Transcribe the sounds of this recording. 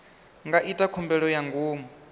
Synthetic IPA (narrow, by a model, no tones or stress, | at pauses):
ŋɡaʔitʼakʰɔmbɛɺɔjaŋɡuːmɔ